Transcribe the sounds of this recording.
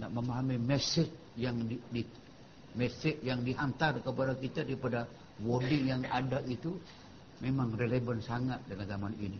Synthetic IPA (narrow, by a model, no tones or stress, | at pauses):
naʔməmaɦamimɛsɪt͡ʃ̚ | jaŋdidi | mɛsɪʔjaŋdiɦant̪arkəpadakit̪adipada | wodijaŋadaʔit̪u | memaŋrelebansaŋat̪̚dalanzamanḭni